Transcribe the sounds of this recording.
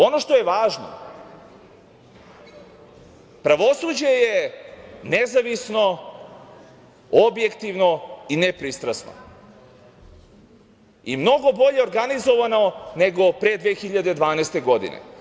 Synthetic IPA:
o̞no̞ʃt̪o̞jeʋaːʒno̰ | pɾaʋo̞sud͡ʑeje | nezaʋisno | obje̞kt̪iʋnoinepɾist̪ɾasno̰ | imno̞ɡo̞bo̞ʎe̞oɾɡanizo̞ʋano̞ne̞ɡo̞pɾe̞d̪ʋeːxiʎad̪e̞d̪ʋaːnɛjst̪e̞ɡo̞d̪ḭnḛ

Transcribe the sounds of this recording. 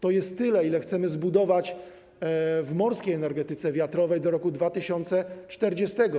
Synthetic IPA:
t̪ɔjɛst̪ːɘlɛilɛxt̪sɛmɘzbud̪ɔvat͡ɕ | vmɔɾskʲejɛnɛɾɡɛt̪ɘt̪sɛvʲjat̪ɾɔvɛjd̪ɔɾɔkud̪vat̪ɘɕɔnt̪sɛt͡ʂt̪ɛɾd͡ʑɛst̪ɛɡɔ

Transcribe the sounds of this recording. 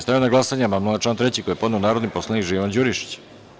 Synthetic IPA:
st̪ajonaɡlˠasaɲamamnunat͡ʃlaːnt̪ɾe̞t͡ɕikojepo̞d̪neonaːɾod̪niposlˠanikʒiʋand͡ʑuɾiʃi̥t͡ɕ

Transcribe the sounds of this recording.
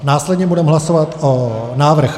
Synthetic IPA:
naːslɛd̪ɲɛbudɛmɦlasovat̪onaːvr̩x

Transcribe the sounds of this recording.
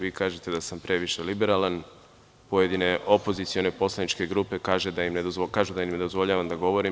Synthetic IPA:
ʋiːkaːʒe̞t̪e̞d̪asampɾe̞ʋiʃe̞libe̞ɾalan | po̞je̞d̪ine̞ʔo̞po̞zit̪sio̞nepo̞slˠanit͡ʃke̞ɡɾuːpe̞kaːʒe̞d̪ajimned̪ozkaːʒud̪ajimned̪ozʋo̞ʎaːʋamd̪aɡo̞ʋo̞ɾi

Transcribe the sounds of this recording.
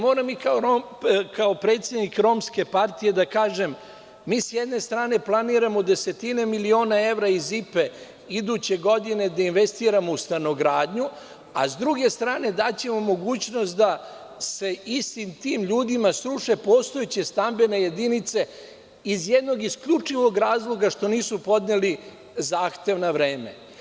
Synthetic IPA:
mo̞ːɾamikaoɾo | kao̞pɾe̞ːt̪sje̞d̪nikɾo̞mske̞paɾt̪ije̞d̪akaːʒe̞mː | iːsjɛd̪ne̞st̪ɾaːne̞plˠaniːɾamo̞d̪e̞se̞t̪ine̞milio̞ːnae̞ʋɾaizipe̞ | id̪ut͡ɕe̞ɡo̞d̪ine̞d̪ainʋe̞st̪iːɾamo̞ust̪ano̞ɡɾaːd̪ɲu | a̰zd̪ɾuɡe̞st̪ɾaːne̞d̪at͡ɕe̞mo̞mo̞ɡuːt͡ɕno̞st̪d̪a | se̞ist̪imt̪iːmʎuːd̪imasɾuʂe̞po̞ːst̪o̞jet͡ɕest̪ambe̞ne̞je̞d̪init̪se̞ | izjed̪no̞ɡiskʎʲut͡ʂiʋo̞ɡɾaːzlˠo̞ɡaʃt̪o̞niːsupo̞d̪ɲeli | zaːxt̪e̞ʋnaʋɾe̞ːme̞̰

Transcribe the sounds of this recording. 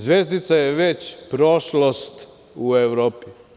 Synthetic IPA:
zʋeːzd̪it̪sajeʋet͡ɕpɾoʃlost̪ | ueʋɾoːpi

